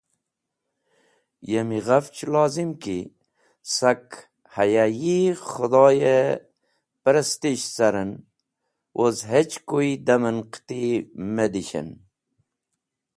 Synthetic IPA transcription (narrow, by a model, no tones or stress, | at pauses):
jemiʁaft͡ʃlɑːzimki | sak | hajajiχud̪ɑːje | pəɾəst̪iɕsaɾən | wʔozɦet͡ʃkoid̪ɐmənqt̪imed̪iɕə̰n